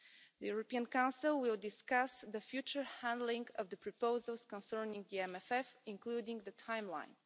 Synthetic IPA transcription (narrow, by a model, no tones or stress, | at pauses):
ðəjuɹɔpiãnkãʊ̃nsilˠwɪlˠdɪskasðəfjʉt͡ʃə˞hæ̃ndlɪ̃ŋɡʌvðəpʰɹɔpoʊzəlˠskɔ̃nsɜ˞nɪ̃ŋɡðiɛ̃mɛfɛfɪ̃ŋkludɪ̃ŋɡðətʰãɪ̃mlã̰ɪ̃n